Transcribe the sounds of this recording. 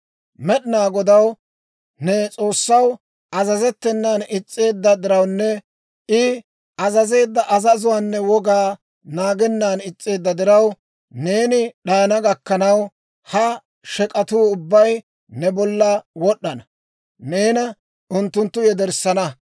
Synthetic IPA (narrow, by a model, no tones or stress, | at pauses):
mɛɗɪnaːɡɔd̪ɐw | nɛt͡sʼo̞ːsːɐw | ɐzɐzɛt̪ːɛnːaːnɪt͡sʼːe̞ːd̪ːɐd̪ɪɾɐwnːɛ | ʔɪ | ɐzɐze̞ːd̪ːɐʔɐzɐzʊwaːnːɛwɔɡaː | naːɡɛnːaːnɪt͡sʼːe̞ːd̪ːɐd̪ɪɾɐw | ne̞ːnɪɗaːnɐɡɐkːɐnɐw | hɐ | ʃɛkʼɐt̪uːʊbːɐj | nɛbɔlːɐwɔɗːɐnɐ | ne̞ːnɐ | ʔʊnt̪ːʊnt̪ːʊjɛd̪ɛɾsɐnɐ